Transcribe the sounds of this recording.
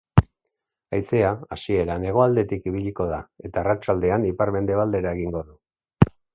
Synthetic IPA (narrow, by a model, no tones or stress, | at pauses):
ajse̞aasie̞ɾane̞ɣ̞o̞ald̪e̞t̪ikiβ̞iʎiko̞ð̞ae̞t̪aːrat͡ʃald̪e̞anipaɾme̞nd̪e̞β̞ald̪e̞ɾae̞ɣiŋɡo̞ðu